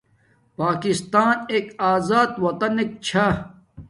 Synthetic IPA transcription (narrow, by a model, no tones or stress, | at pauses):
paːkist̪aːneːkaːzaːd̪wɐt̪ɐnek̚t͡ɕʰa